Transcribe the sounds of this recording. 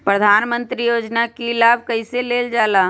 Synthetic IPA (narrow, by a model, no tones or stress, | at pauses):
pɾəd̪ʱaːnmə̃nt̪ɾijoːd͡ʒnakilaːb̚kɐiseleːld͡ʒaːlaː